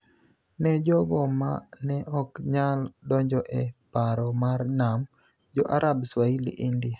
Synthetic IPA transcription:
nɛd͡ʒɔɡɔma̰nɛʔɔkɲaldɔɲd͡ʒɔʔɛpaɾɔmarnam | d͡ʒɔʔaɾʔabswailḭʔindɪa

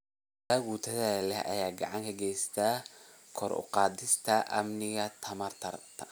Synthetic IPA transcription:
d̪ɐɣuːt̪ʰɐðɐlɛhʔɐ̰jaːɡɑʕɑŋkʰɐɡɛjst̪ʰa | kʰɔɾʊ̰qɑːd̪ɪst̪ʰɐʔɐ̰mnɪɣɐt̪ʰɐmɐrt̪ʰɐrt̪ʰɐ

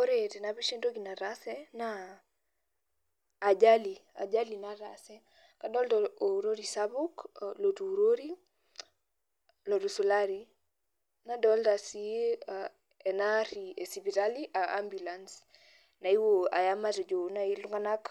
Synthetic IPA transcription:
oɾetɛnabiʃendoɡinaɾasɛna | d͡ʒalia̰d͡ʒalinaɾasɛ | kadɔltɔoɾoɾisabuklotuɾoɾi | lotusulaɾi | nadɔltasia | ɛnaɾiesibitaliʔaʔambulans | naiwoa̰jamaɾɛd͡ʒonailuŋɡanak

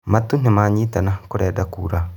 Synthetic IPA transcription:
matun̥imaːɲiːtanakʊɾɛːdakuːɾa

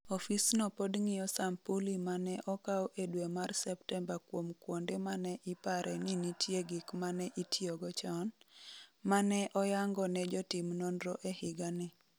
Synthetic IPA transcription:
ɔfisnɔpodŋɪjɔsampulimanɛʔɔkawʔedwemarsɛptɛmbakwomkwondemanɛʔɪpaɾʔɛninitʰjeɡikmanɛʔitʰjoɡɔt͡ʃɔn | manɛʔɔjaŋɡɔnɛd͡ʒɔtimnonɾɔʔehɪɡanɪ

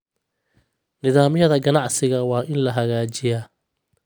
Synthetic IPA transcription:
nɪðaːmjɐðɐɡɐnɑʕsɪɣɐwɑːʔɪnlɐɦɐɣaːt͡ʃɪjaː

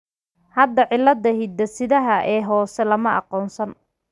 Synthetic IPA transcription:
hɐd̪ːɐʕɪlːɐd̪ɐɦid̪ɐsɪðɐɦɐʔɛːɦɔːsɛlɐmɐʔɑ̰qɔːnsɐn

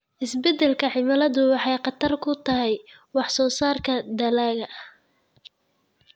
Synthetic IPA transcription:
ʔɪsbɛd̪ɛlkʰɐʕɪmɐlɐðʊwɑħɑjqɑt̪ʰɐrkʰʊt̪ʰɐɦɛj | wɑħsɔːsaːrkʰɐd̪ɐlaːɣɐʔɐh

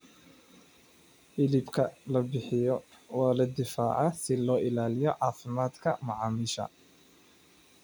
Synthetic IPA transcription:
ʔɪlɪbkʰɐlɐbɪħɪjɔwɑːlɐd̪ɪfaːʕɑsɪlɔːʔɪlaːlɪjɔʕɑːfɪmaːd̪kʰɐmɑʕɑːmɪʃɐ̰

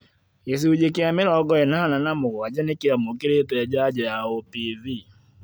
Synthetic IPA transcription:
es̬iud͡ʒekɪameɾaɔɡɔɛnaananamʊɣad͡ʒanekɪamokɪɾetɛɛd͡ʒad͡ʒɛaopivi

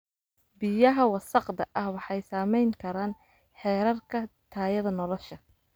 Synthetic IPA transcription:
bɪjɐɦɐwɑsɑqd̪ɐʔɐhwɑħɑjsaːmɛjŋkʰɐɾaːn | ħɛːɾɐrkʰɐt̪ʰaːjɐðɐnɔlɔʃɐ

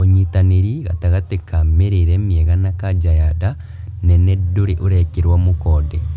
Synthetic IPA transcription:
oɲitaneɾiɣataɣatekameɾeɾɛmjɛɣanakad͡ʒajada | nɛnɛdoɾeʔoɾɛkeɾwamokɔːdɛ

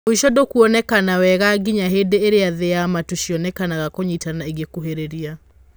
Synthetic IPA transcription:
oiʃɔdokuɔnɛkanawɛɣaɡiɲaɦedeːɾeaðeamatuʃiɔnɛkanaɣakoɲitanaiɣekuɦeɾeɾia

